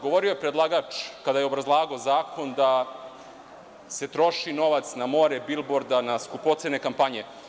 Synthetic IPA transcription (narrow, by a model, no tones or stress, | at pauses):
ɡoʋo̞ɾiojepɾed̪lˠaɡat͡ʂkad̪ajeo̞bɾazlˠaːɡozaːkʰo̞nd̪a | se̞t̪ɾo̞ʃino̞ʋat̪snamo̞ɾebilˠboɾd̪anaskupot̪sene̞kampaɲe